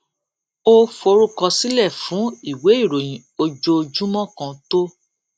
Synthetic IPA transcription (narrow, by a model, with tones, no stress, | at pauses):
o˦fo˧˦ɾu˦kɔ˧si˦lɛ˦˨fũ˨˦i˦˨we˨˦i˦˨ɾo˨j̃ĩ˨o˧d͡ʒo˧d͡ʒũ˦mɔ̃˦˨kã˧to˦